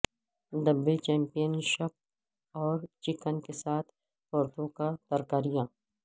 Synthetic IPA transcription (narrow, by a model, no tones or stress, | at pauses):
d̪ɐbːet͡ʃɛ̃ːmpijənʃəp̚ | ɔːɾt͡ʃɪkənkesaːt̪ʰ | pɔːɾt̪õkãt̪əɾkaːɾijãː